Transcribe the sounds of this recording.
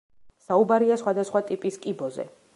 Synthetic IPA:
saubaɾiasχwad̪asχwat̪ʼipʼiskʼibɔzɛ̰

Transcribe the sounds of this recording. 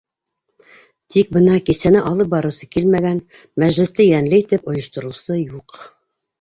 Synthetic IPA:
t̪ik̚bɤnɑkisænɘʔɑlˠɤp̚bɑɾɤ̆wsɤ̥kilmæɡæn | mæʒlɘ̆st̪ɘjænlɘit̪ɘpŏjɤ̆ʃt̪ŏɾɤ̆wsɤjuq

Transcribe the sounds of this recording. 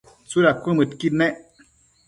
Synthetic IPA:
t͡suɾakʷɨ̃mɨtkitnɛʔ

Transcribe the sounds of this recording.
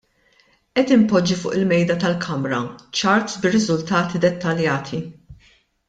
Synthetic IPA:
ʔɛt̪ɪmpɔd͡ʒːifʊːʔɪlmɛjd̪ɐt̪ɐlkʰɐmɾɐt͡ʃɐɾt̪sbɪrɪzʊlt̪ɐːt̪id̪ɛt̪ːɐljɐːt̪ʰi

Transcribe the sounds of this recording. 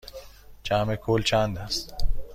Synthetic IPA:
t͡ʃaːmekʰoːlt͡ɕãːnd̪as

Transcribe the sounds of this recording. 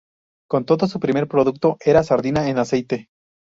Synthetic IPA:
ko̞nt̪o̞ðos̬upɾime̞ɾpɾo̞ðuk̚t̪o̞ʔe̞ɾasaɾðinaenase̞jt̪e̞

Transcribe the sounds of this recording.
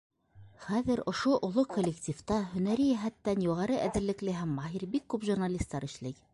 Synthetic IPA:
χæðɘɾŏʃoʔŏlˠokʰolʲːektʲift̪ɑhɵ̆næɾɘjæɦæt̪ːænjuʁɑɾɤʔæðɘ̆ɾlɘ̆klɘɦæmːɑɦiɾbikːʉpʒurnalʲist̪ːɑɾɘ̆ʃlɘj

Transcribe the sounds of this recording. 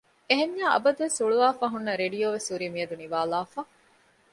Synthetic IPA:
eɦeɲːaːʔɐ̰bɐd̪uʋesuɭuʋaːfaːɦunːɐɾeɖijoːʋesuɾiːmiɐd̪uniʋaːlaːfa

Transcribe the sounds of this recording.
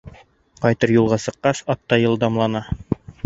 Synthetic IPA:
qɑjt̪ɤɾjulˠʁɑsɤ̆qːɑʃɑt̪ːɑjɤ̆lˠd̪ɑmlˠɑnɑ

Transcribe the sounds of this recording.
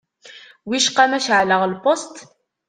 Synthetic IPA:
wiʃqːæmæʃʕləʁlpost̪

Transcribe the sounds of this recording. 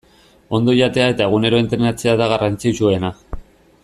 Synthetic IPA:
o̞nd̪o̞ʎat̪e̞ae̞t̪ae̞ɣ̞une̞ɾo̞int̪ɾenat͡seaðaɣarant͡sit͡sue̞na

